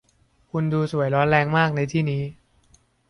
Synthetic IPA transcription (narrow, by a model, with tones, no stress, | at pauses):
kʰu˧nduː˧su˨˩əjɾɔː˦˥nɾɛː˧ŋmaː˥˩k̚na˧jt̪ʰiː˥˩niː˦˥